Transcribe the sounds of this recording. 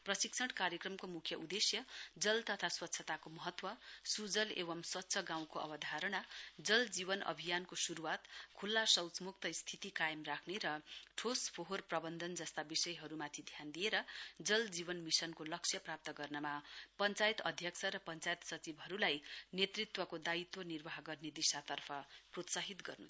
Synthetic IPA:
prʌsiksʰʌɽkaɾjekrʌmkomukʰjʌʔud̪esjʌd͡zʌlt̪ʌt̪ʰaswʌt̪ːsʰʌt̪akomʌɦʌt̪wʌsud͡zʌlebʌmswʌt̪ːsʰʌɡãw̃koʌ̰bʌd̪ʱaɾʌɽad͡zʌld͡ziβʌnʌ̰bʱijankosuɾuwat̪kʰulːasʌwt͡smuk̚t̪ʌist̪ʰit̪ikajʌmrakʰneɾʌʈʰospoɦorprʌbʌnd̪ʱʌnd͡zʌst̪abisʌjɦʌɾumat̪ʰid̪ʱjand̪ijeɾʌd͡zʌld͡zibʌnmisʌnkolʌksʰjʌprap̚t̪ʌɡʌrnʌmapʌnt͡sajt̪ʌd̪ʱjʌksʰʌɾʌpʌnt͡sajt̪sʌt͡sibɦʌɾulajnet̪rit̪wʌkod̪ait̪wʌnirbaɦɡʌrned̪isat̪ʌrpʰʌprot̪saɦit̪ɡʌ̰rnṵ

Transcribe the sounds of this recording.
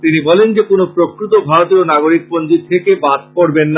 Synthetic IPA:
t̪inibɔlend͡ʑekonopɾokɾut̪obʱaɾot̪ionaɡoɾik̚pond͡ʑit̪ʰekebad̪oɾbenːa

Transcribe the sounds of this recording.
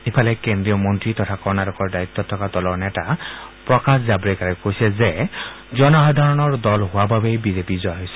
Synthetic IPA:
ipʰalɛkend̪ɾijɔmɔnt̪ɹit̪ɔt̪ʰakɔɹɔnaɾɔkɔɹdait̪ːɔt̪ʰːɔkat̪ɔlɔɹnɛtapɹɔkaszabɾekaɹɛkojsɛze | d͡ʒɔnɔxad̪ʱaɹɔnɔɹd̪ɔlɦoababejbizepizɔjɦojsɛ̥

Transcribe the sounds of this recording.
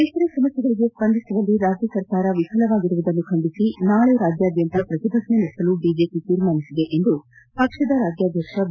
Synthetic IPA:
k̪eːkɐɾesɐmɐst̪jɡɐɭiɡespɐnd̪ʱisɐʋɐlːiɾaːd͡ʒjɐsɐɾkaːɾɐʋikʰɐlɐʋaːɡiɾuʋud̪ɐnːukʰɐɳɖisinaːɭuɾaːd͡ʒjaːd̪jɐnt̪ɐpɾɐt̪id̪ʱɐsnenɐsɐluɖiːd͡ʒe̞ːpit̪iːɾmaːnisid̪eʔend̪u | pɐkʂɐd̪ɐɾaːd͡ʒjaːd̪ʱjɐkʂɐ

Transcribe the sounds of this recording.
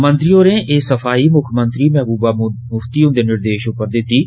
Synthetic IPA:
mə̃nt̪ɾioːɾẽːʔeːsəfʰaːiːmʊkʰmənt̪ɾiːmɛːɦbuːbaːmʊft̪iːõnd̪eːnɪɾd̪eːʃʊpəɾd̪ɪt̪ːiː

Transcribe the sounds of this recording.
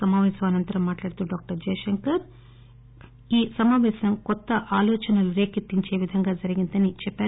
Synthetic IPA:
ɐmaːʋɛːsɐmɐnɐnt̪ɐɾɐmːaːʈlaːɽt̪uːɖaːk̚ʈɐɾd͡ʒɛːjɐʂɐŋkɐɾ | iːsɐmaːʋɛːsɐmkɔt̪ːɐʔaːlɔːt͡ʃɐnɐluɾe̞ːkit̪ːiɲt͡ʃeːʋid̪ʱɐŋɡaːd͡ʒɐɾiɡind̪ɐnit͡ʃɛpːaː

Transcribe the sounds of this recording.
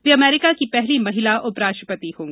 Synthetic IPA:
ʋeɐmɛːɾɪkakipɛɦlimɐɦɪlaʔʊpɾaːʃəpət̪ihõːŋɡ

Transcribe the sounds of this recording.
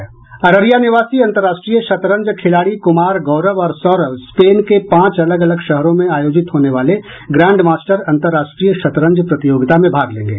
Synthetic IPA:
ɐɾəɾjaːnɪʋaːsiɐ̃nt̪əɾːaːʃʈɾijəʃɐt̪ɾə̃ɲd͡ʒkʰɪlaːɽikʊmaːɾɡɔːɾəʋɔːɾsɔːɾəʋspeːnkepãːt͡ʃɐləɡɐləɡʃɐɦɾõmẽaːjoːd͡ʒɪt̪ɦoːneʋaːle | ɡɾɛ̃ːɳɖmaːsʈəɾɐ̃nt̪əɾːaːʃʈɾijəʃɐt̪ɾə̃ɲd͡ʒpɾɐt̪ɪjoːɡɪt̪amẽbʱaːɡlḛ̃ːŋɡḛː

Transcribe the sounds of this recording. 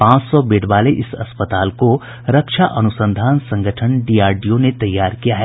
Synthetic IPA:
pãːt͡ʃsɔbeːɖʋaːleʔɪsɐspət̪aːlko | ɾɐkʃaʔɐnʊsə̃nd̪ʱaːnsɐ̃ŋɡʱəʈʰəɳɖiːaːɾɖijõnet̪ɐjːaːɾkijaɦɛː

